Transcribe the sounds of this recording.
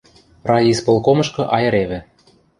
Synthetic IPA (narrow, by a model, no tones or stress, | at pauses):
rɑjispolˠkomɤ̆ʃkɤ̆ʔɑjɤ̆ɾeβɘ̆